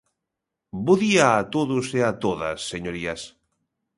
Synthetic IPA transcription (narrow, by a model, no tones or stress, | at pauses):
boðiaːt̪oðʊseat̪oðɐ̰sːeɲoɾiɐs